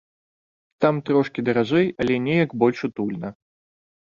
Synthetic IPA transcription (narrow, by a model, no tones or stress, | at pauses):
t̪amt̪ɾɔʂkʲid̪ɐɾaʐɛjɐlʲɛnʲɛjɐɡbɔlʲʂut̪ulʲnɐ